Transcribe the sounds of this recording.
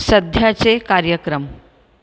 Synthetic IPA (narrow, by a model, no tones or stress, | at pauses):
səd̪ʱjat͡sekaɾjəkɾəm